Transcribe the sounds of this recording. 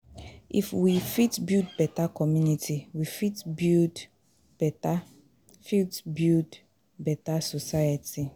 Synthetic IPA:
ʔifwifitbildbɛtakɔmjunitʰiwifitbild | bɛta | fitbild | bɛtasosajati

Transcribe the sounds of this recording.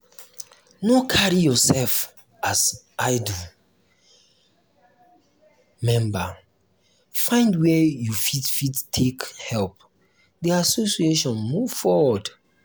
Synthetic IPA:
nokʰaɹijɔsɛlf | as | aɪdu | mɛ̃mbə | fãɪ̃ndwɛjufidfidtʰekhɛlp | diasosieʃɔ̃nmuvfɔwɔd

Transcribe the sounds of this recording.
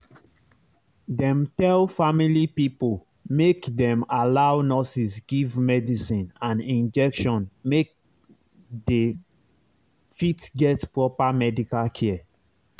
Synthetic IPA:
dɛ̃mtɛlfamilipipol | mekdɛ̃malawnɔsisɡivmɛdisĩnãnĩnd͡ʒɛkʃɔ̃nmek̚ | de | fitɡɛtpɹɔpamɛdikalkʰɛ

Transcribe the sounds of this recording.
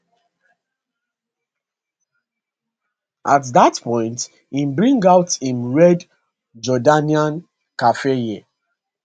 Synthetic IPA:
ʔatðatpʰɔ̃ɪ̃nt | ĩmbɹĩŋɡaʊtĩmɹɛd | d͡ʒɔdaniãn | kafejɛ

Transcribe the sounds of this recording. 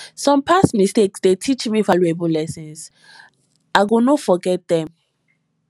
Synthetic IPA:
sɔ̃mpʰasmisteksdetʰit͡ʃmifalebulɛsɔ̃ns | aɪɡonofɔɡɛt̚dɛ̃m

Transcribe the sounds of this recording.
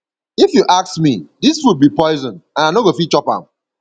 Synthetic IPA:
ifjuʔaksmidisfut̚bipɔɪzɔ̃nãnaɪnoɡofit͡ʃɔpã̰

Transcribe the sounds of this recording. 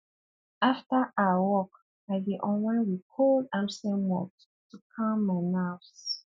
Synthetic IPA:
aftəʔaəwɔk | aɪdiʔɔ̃nwɛ̃wikʰɔldãmsɛ̃mɔ̰t | tukʰãmːaɪnafs

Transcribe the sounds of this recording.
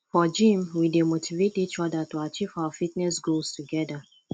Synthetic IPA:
fɔd͡ʒĩmwidemotʰivetit͡ʃɔdatuat͡ʃivawafitnɛsɡulstuɡɛda

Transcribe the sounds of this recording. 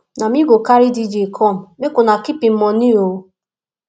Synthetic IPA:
namiɡʷokaɾidid͡ʒekʰɔm̩mekʊnakipim̩mɔnio

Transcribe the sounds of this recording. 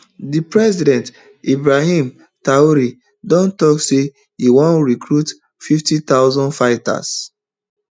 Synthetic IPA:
dipɹɛsidɛ̃nt | ibɹahĩm | taoɾi | dɔ̃ntɔkse | hiwɔ̃nɹikɹut | fiftitaʊzɔ̃ndfaɪta̰s

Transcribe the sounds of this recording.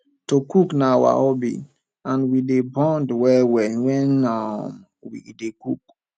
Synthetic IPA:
tokuknawa̰ɔbḭ | ãnwidebɔ̃ndwɛwɛwɛ̃nːa | wḭdekuk̚

